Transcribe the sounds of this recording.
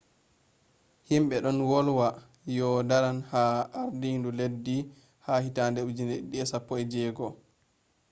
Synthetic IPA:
himɓɛɗɔnwɔlwa | jɔdaɾanhaaɾdinduledːi | hahitandɛud͡ʒineɗɗiɛsapːɔɛd͡ʒɛːɡɔ

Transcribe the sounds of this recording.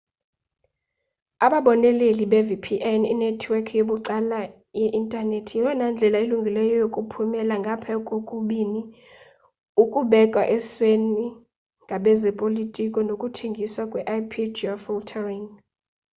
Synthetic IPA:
aɓaɓɔnɛleliɓɛvipʰiʔɛnḭnɛtʰwɛkʰjoɓuǀala | jɛʔintʼanetʰijiwɛnand͡ɮʱɛlailuŋɡʱilɛjɔjokʼupʰumɛlaŋɡʱapʰɛkʼokʼuɓini | ukʼuɓɛkʼwaʔɛsweni | ŋɡʱaɓɛzɛpʼolitʼikʼɔnokʼutʰeŋɡʱiswakʼwɛʔajpʰidɔfiltʰɛriŋ

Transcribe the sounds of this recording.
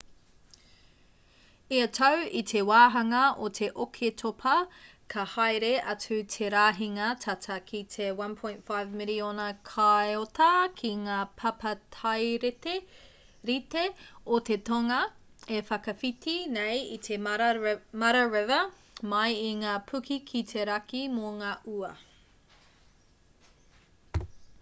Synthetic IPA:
iɐtʰɐwit̪ʰewaːɦɐŋɐotʰe̞ʔokʰetʰopʰɐ | kʰɐhajɾeʔɐt͡sʉtʰeɾaːɦiŋɐtʰɐtʰɐkʰitʰewɐ̃npʰõj̃ntfajvmɪlionɐkʰaeotɐkʰiŋaːpʰɐpʰɐtʰajɾete | ɾiteot̪etoŋɐ | efɐkɐfitʰinejit̪ʰe | mɐɾɐɹɛvɐ | mɐjiŋaːpʰʉkʰikʰitʰeɾɐkimoŋaːʔuɐ

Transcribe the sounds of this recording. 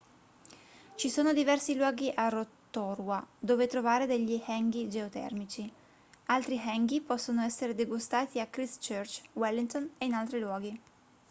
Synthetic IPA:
t͡ʃisoːnod̪ivɛrsilwɔːɡiʔarot̪ːoɾwad̪oːvet̪ɾovaːɾed̪eʎːihɛŋɡid͡ʒeot̪ɛ̰rmit͡ʃi | alt̪ɾiɦɛŋɡipɔsːonoɛsːeɾed̪eɡust̪aːt̪iakɾist͡ʃørt͡ʃwɛlːiŋt̪oneinalt̪ɾilwɔːɡi

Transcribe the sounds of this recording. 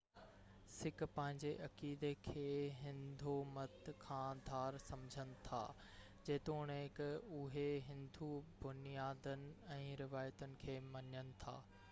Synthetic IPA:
sɪkpɐ̃ɦɪ̃ɲd͡ʑeʔɐkiːd̪ekʰeːɦɪ̃nd̪ʱomɐt̪kʰãːd̪ʱaːɾsɐmd͡ʑʱənɪ̆t̪ʰa̰ː | d͡ʑeːt̪oʊñeɪkʊɦeɦɪ̃nd̪ʱubʊnijaːd̪ənɪ̆ɛ̃ːɾɪʋaːjət̪ənɪ̆kʰeːmɐɲənɪ̆t̪ʰa̰ː

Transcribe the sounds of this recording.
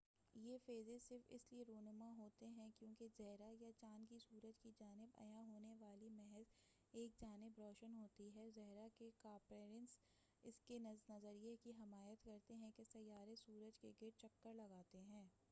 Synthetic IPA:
jeːfeːzesɪɾfɪ̰slieɾoːnəmaɦoːt̪eɦɛ̃kjõːkezɛɦɾajat͡ʃaːnkisuːɾəd͡ʒkid͡ʒaːnɪbɐ̰jãɦoːneʋaːlimɛɦɛz | eːk̚d͡ʒaːnɪbɾɔːʃənɦoːt̪iɦɛzɛɦɾakekaːpɾeːɾə̃ns | ɪskenɐznɐzəɾijekiɦɪmaːjət̪kɐɾt̪eɦɛ̃kesɐjaːɾesuːɾəd͡ʒkeɡɪɾt͡ʃɐkːəɾlɐɡaːt̪eɦɛ̃ː

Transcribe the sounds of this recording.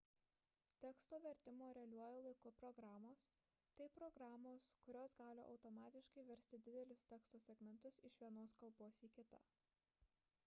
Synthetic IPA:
t̪ʲɛːkst̪oːʋʲɛɾʲt̪ʲɪmoːɾʲɛɐlʲuɔjɛlˠɐɪkʊpɾɔɡɾɑːmoːs | t̪ɐɪpɾɔɡɾɑːmoːskʊɾʲoːsɡɑːlʲɪ̰ʔɒ̰ʊt̪ɔmɑːt̪ʲɪʃkɐɪʋʲɛɾʲsʲt̪ʲɪd̪ʲɪd̪ʲɛlʲʊsʲt̪ʲɛːkst̪oːsʲɛɡmʲɛnt̪ʊsɪʃʋʲiɛnoːskɐlˠboːsiːkʲɪt̪ɐ̰

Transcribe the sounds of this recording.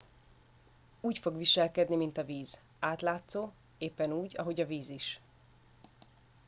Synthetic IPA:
uːcfo̞ɡʋiʃɛlkɛd̪nimint̪ɒviːz̥ | aːt̪laːt̪soː | eːpːɛnuːɟɒ̰ɦo̞ɟɒviːziʃ

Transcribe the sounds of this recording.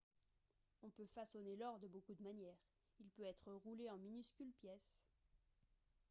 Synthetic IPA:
ɔ̃pøfasɔnelɔʁd̪əbokud̪əmanjɛːʁ | ilpøɛt̪χəʁuleɑ̃minyskʲylpjɛs

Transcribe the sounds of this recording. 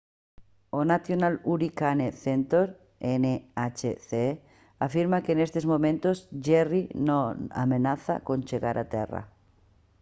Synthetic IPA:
onaθjonaluɾikaneθent̪oɾ | eneat͡ʃeθe | afiɾmakeːnest̪ezmomẽnt̪ozʝerinoa̰menaθa̰konʲt͡ʃeɣaɾʔat̪ḛra̰

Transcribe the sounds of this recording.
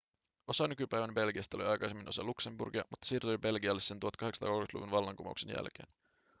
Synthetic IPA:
o̞sɑnykypæjʋænbe̞lɡiɑst̪ɑoliɑjkɑjsemːinʔo̞sɑlukse̞mbṵrɡiɑ̰mut̪ːɑ̥siːrt̪ujbe̞lɡiɑlːesːent̪uhot̪̚kɑheksɑ̥t̪ɑ̰ːkolmet̪lṵʋunʋɑlːɑŋkumɑ̰ṵkse̞njæ̰lk̟eːn

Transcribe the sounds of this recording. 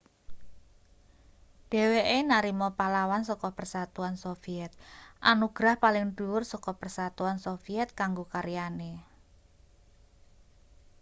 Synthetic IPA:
ɖ̥e̤weʔenaɾimɔpalawansɔkɔpərsat̪uansofiɛt̪̚ʔanuɡ̥ɾahpalɪŋɖuʊrsɔkɔpərsat̪uansofiɛt̪̚kaŋɡokaɾijane

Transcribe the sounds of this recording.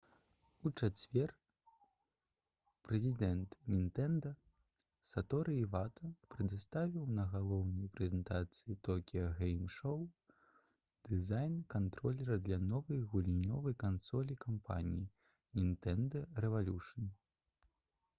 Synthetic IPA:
ut͡ʂat͡sʲvʲɛr | pɾɛzʲid̪ɛnt̪nʲint̪ɛnd̪ɐ | sat̪ɔɾɨivat̪ɐpɾɨd̪ɨst̪avʲiwnɐɣalˠɔwnɐjpɾɛzʲɛnt̪at̪sɨjit̪ɔkʲijɐɣɛjmʂɔw | d̪̥ɨzajnkant̪ɾɔlʲɛɾɐd̪lʲɐnɔvɐjɣulʲinʲɔvɐjkansɔlʲikampa̰nʲḭji | nʲint̪ɛnd̪ɐɾɛvalʲuʂɐn

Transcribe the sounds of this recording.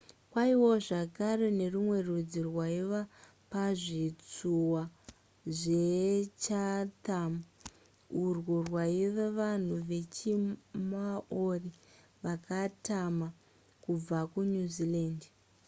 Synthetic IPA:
kwaiwo̞ʐakarene̞rumwe̞rud͡zirwaiʋa | paʐit͡suwa | ʐet͡ʃatam | urwurwaiʋeʋan̤uʋe̞t͡ʃimaori | ʋakatama | kub͡vakunuzilaːnd

